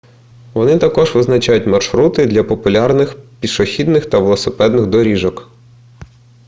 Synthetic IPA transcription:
ʋɔnɪt̪ɐkɔʒʋɪznɐt͡ʃajʊtʲmɐrʃɾut̪ɪd̪lʲɐpɔpʊlʲɑrnɪxpʲiʃɔxʲid̪nɪxt̪ɐʋelˠɔsepɛd̪nɪɣd̪ɔɾʲiʒɔk

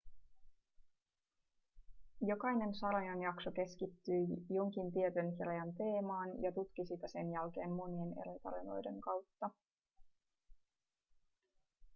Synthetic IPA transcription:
jo̞kɑjne̞nsɑɾɑjɑnjɑkso̞ke̞sk̟it̪ːyːjoŋk̟int̪ie̞t̪ynkiɾɑjɑnt̪e̞ːmɑːnjɑt̪ut̪kisit̪æse̞njælke̞ːnmo̞nie̞ne̞̰ɾit̪ɑ̰ɾino̞̰jde̞̰ŋkɑwt̪ːɑ

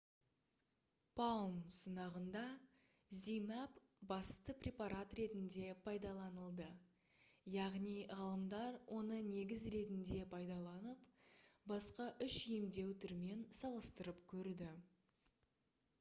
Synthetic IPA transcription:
pʰawmsənɑʁənd̪ɑ | zʲijmap | bɑst̪əprʲe̞paɾat̪ɾe̞t̪ɪnd̪e̞pʰɑjd̪ɑlˠɑnəlˠd̪ə | jɑʁnijʁɑlˠəmd̪ɑɾwʔo̞nəne̞ɡʲɪzɾe̞t̪ɪnd̪e̞pʰɑjd̪ɑlˠɑnəpbɑsqɑʔʏʃje̞md̪e̞wt̪ʰʏɾme̞nsɑlˠəst̪əɾəpkʲʰɵɾd̪ɪ

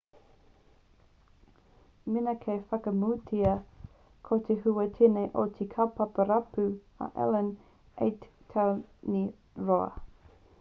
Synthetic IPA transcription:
mɪnəkʰejfakəmuːtʰiə | kʰot̪ʰehuətʰɪneʔot̪ʰikʰapʰɐpəɾapʰʉ | a̰ʔɛ̰lən | ʔḛjt | tʰːani | ɾoɐ̰

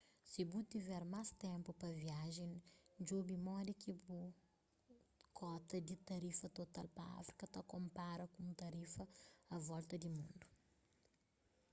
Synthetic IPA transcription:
sibut̪ivɛɾmast̪ɛ̃mpupɐviaʒẽd͡ʒobimɔd̪ikibu | kɔt̪ɐd̪it̪ɐɾifɐt̪ot̪alpɐa̰fɾi̥kɐt̪ɐkõmpaɾɐkumut̪ɐɾifɐɐvɔlt̪ɐd̪imũnd̪u

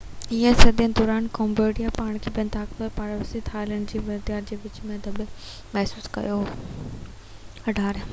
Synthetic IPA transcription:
iə̃sɐd̪ijə̃nd̪ɔːɾaːnkɔ̃ːmboːʈjapaːɽ̃kʰeːbɪnɪt̪aːkt̪opaːɾəʋsit̪ʰaːɪləñd͡ʑiːʋɐɾt̪ijaːɾd͡ʑeːʋɪt͡ɕmẽd̪ʱɐbɪ | mɛɦsuːskɐ̰joɦoː | ɐɖʱaːɾ

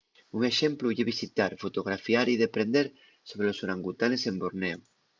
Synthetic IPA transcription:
uŋeʃẽmpluʝeβisit̪aɾfot̪oɣ̞ɾafiaɾiðepɾẽnd̪eɾ | soβ̞ɾelosuɾãŋɡut̪anesemboɾneo

